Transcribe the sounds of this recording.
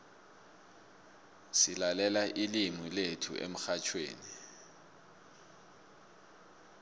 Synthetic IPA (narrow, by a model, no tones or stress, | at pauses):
silalɛlaʔilimiletʰṵʔḛm̩xat͡ʃʰwḛːni